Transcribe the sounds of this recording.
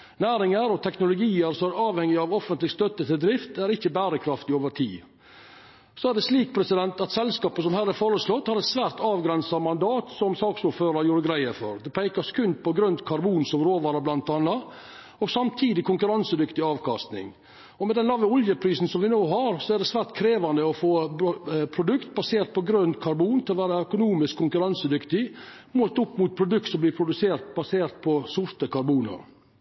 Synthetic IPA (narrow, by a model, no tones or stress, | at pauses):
næːɾɪŋəɾɔt̪ʰɛknʊlʊɡiːəɾsɔæɾɑːʋhɛŋːɪɑʋɔfənt̪lɪɡst̪œt̪ːət̪ʰɪld̪ɾɪft̪æɾɪçːəbæːɾəkʰɾɑft̪ɪoːʋəɾt̪ʰḭː | sɔæɖɛsliːk̚pʰɾɛsɪd̪ɛnt̪ɑt̪sɛlskɑːpəsɔmhæɾæɾfoːɾəslɔt̪ːhɑɾɛt̪sʋæːɾt̪ɑːʋɡɾɛnsɑmɑnd̪ɑːt̪sɔmsɑːksʊɾføːɾɑɾjuːɾəɡɾæɪəfɔ̰ɾd̪ɛpʰæɪkɑskʰʉnd̪̚pɔɡɾʉnd̪kʰɑɾbuːnsɔmɾoːʋɑːɾɑblɑnt̪ɑnːɑ | ɔɡsɑmt̪ʰiːd̪ɪkʰʊŋkʉɾɑnsəd̪ʏkt̪ɪɑːʋkʰɑst̪nɪ̰ŋ | ɔmɛd̪ɛnlɑʋːəɔljəpʰɾiːsn̩sɔmʋɪnoːɦɑɾsɔæɖɛsʋæːɾʈkʰɾeːʋɑnd̪əɔfoːbpʰɾʊd̪ʉkt̪̚bɑseːɾt̪̚pʰɔɡɾœnt̪kʰɑɾbuːnt̪ʰɪlɔʋæːɾɑœkʊnuːmɪskʰːʊŋkʉɾɑnsəd̪ʏkt̪ɪ | moːlt̪ʊpːmʊt̪̚pʰɾʊd̪ʉk̚t̪sɔmblɪːpʰɾʊd̪ʉseːɾt̪bɑseːɾt̪̚pʰɔsʊɾt̪əkʰɑɾbuːnə̰